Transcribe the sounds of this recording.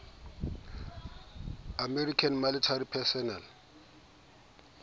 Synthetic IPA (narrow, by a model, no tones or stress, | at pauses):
amɛrikʰanmalitʰaɾipʰɛsɔnal